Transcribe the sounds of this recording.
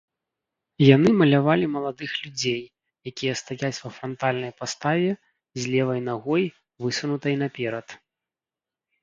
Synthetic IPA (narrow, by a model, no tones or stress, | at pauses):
janɨmɐlʲavalʲimɐlˠad̪ɨxlʲud͡zʲej | jakʲijɐst̪ajat͡sʲvɐfɾɐnt̪alʲnɐjpast̪avʲɛ | zʲlʲɛvɐjnaɣɔj | vɨsunut̪ɐjnapʲɛɾɐt̪